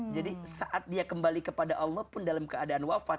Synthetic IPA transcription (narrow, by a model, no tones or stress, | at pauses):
d͡ʒadisaʔat̪̚diakəmbalikəpadaʔɑlːɔhpʊndalamkəadaːnwafa